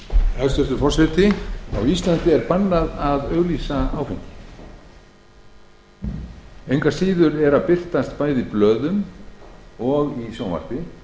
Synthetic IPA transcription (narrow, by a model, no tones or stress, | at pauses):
hɛst̪ɛst̪ʏfɔr̥sɛt̪ɪa̰wist̪lant̪ɪɛɾpanːaðaðœɣliːsaaːwfɪŋcɪ̥ | ejŋkvaɾsiːðʏɾɛɾapɪr̥t̪ast̪paːjðiplœːðʏm | ɔɣisjaːwma̰r̥t̪ɪ